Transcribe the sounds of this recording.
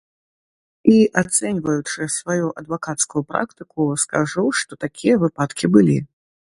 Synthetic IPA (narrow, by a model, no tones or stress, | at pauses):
iʔat̪sɛnʲvɐjut͡ʂɨsvajuʔɐd̪vakat̪skujupɾa̰kt̪ɨkuskaʐuwʂt̪ɔt̪akʲʰijɐvɨpat̪kʲibɨlʲi